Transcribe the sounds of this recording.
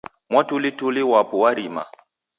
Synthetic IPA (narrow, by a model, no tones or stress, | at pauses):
mwatulituliwapuwaɾima̰